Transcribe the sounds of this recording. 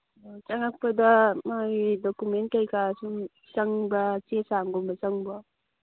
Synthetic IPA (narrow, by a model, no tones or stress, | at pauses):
ot͡ʃaŋak̚pɐdamadɔkumen̚kajkʰasuŋ | t͡ʃɐŋbat͡ʃesaŋɡombɐt͡ʃɐŋbɔ